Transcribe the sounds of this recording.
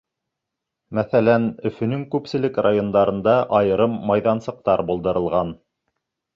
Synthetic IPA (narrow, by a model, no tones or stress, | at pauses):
mæθælænɵ̆fɵ̆nɵŋkʉpsɘ̆lɘkrajond̪ɑɾɤ̆nd̪ɑʔɑjɤ̆ɾɤmːɑjðɑnsɤ̆q̚t̪ɑɾbulˠd̪ɤ̆ɾɤ̆lˠʁɑn